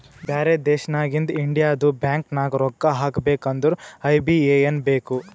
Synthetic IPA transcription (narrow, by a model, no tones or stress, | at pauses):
baːɾed̪ɛːʃɐnaːɡind̪iɳɖijaːɐd̪ubjaːŋknaːɡɾɔɡːaɦaːkbeːkɐnd̪uɾuɐjbieːjenbeːku